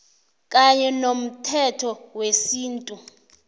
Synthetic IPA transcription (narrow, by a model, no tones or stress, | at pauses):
kʼaɲɛnom̩tʰɛtʰɔwesiːntʼu